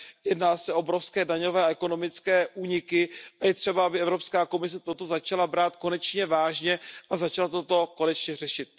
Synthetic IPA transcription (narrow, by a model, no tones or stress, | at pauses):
jɛdnaːsɛʔo̞bɾofskɛːdaɲo̞vɛːaɛko̞no̞mɪt͡skɛːʔuːɲɪkɪajɛt̪r̝̥ɛbaabɪɛvɾo̞pskaːko̞mɪs̬ɛt̪ot̪o̞zat͡ʃalabɾaːt̪ko̞nɛt͡ʃɲɛvaːʒɲɛʔazat͡ʃalat̪o̞t̪o̞ko̞nɛt͡ʃɲɛrɛʃɪt̪̚